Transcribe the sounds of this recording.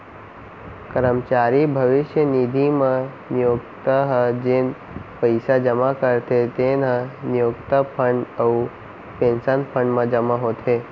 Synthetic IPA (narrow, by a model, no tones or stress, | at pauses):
kəɾəmt͡ʃaɾibʱəʋɪʃjənid̪ʱimã | nijokt̪aɦəd͡ʒen | pəjsad͡ʒəmakəɾt̪ʰet̪enanjokt̪apʰəɳɖəu | pẽnsənpʰəɳɖmãd͡ʒəmaɦot̪ʰe